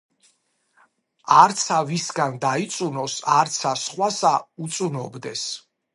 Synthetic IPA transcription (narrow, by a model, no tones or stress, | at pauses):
aɾt̪sʰavisɡand̪ait̪sʼunɔsaɾt̪sʰasχwasaut̪sʼunɔbd̪ɛs